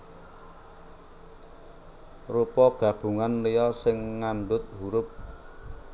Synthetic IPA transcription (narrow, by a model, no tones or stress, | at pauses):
rupɔɡ̥ä̤b̥ṳŋanlejɔsɪŋːanɖʊt̪̚huɾʊp̚